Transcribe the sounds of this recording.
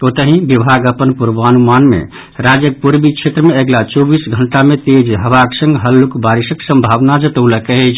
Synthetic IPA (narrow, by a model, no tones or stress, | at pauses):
ot̪əɦĩbibʱaɡəpənpuɾbanumanmḛ | ɾad͡ʒək̚puɾbikt͡ʃʰet̪ɾəmeeɡlat͡ʃɔbisɡʱəɳʈamet̪ed͡ʒɦəbaksə̃ŋɡɦəlːukbaɾisəksə̃mbʱabnad͡ʒət̪əʊləkɛɦɛt͡ʃʰ